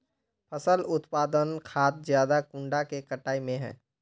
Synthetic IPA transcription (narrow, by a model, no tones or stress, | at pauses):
pʰəsəlʊt̪paːd̪ənkʰaːt̪̚zjaːd̪akʊɳɖakekəʈaːimẽɦɛ̰̃ː